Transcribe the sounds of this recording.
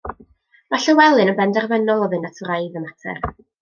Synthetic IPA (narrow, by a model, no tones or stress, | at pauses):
maɬəwɛlˠɨnənbɛndɛrvɛnɔlˠɔðɨnatʰɔɾajðəmatʰɛ̰r